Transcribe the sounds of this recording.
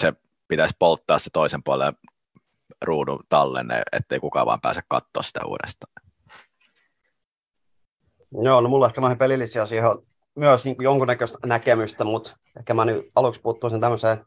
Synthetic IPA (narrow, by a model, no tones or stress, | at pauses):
se | pit̪æsʲpolt̪ːɑːsset̪oisempuɑle | ruːnut̪ɑlːḛnḛḛt̪ːeikukɑ̰ˑʋɑ̰ːmpæ̰ːsekkɑ̰t̪ːo̰ːssit̪æ̰ṵːdḛst̪ɑ̥ː | joːnomulːehkænoˑihipelilːisiɑsiho | myøsniːŋkujoŋkunːækøst̪nækemyst̪æmut̪ | ehkæmænyɑluksput̪ːuisint̪æmːøseː